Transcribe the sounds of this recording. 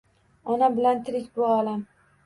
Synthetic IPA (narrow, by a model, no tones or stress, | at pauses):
ɒnabɪlant̪ʰɪɾɪkʲbʊalam